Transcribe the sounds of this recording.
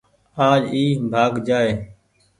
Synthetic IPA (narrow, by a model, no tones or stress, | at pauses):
aːd͡ʒiːbʱaːɡd͡ʒaːeː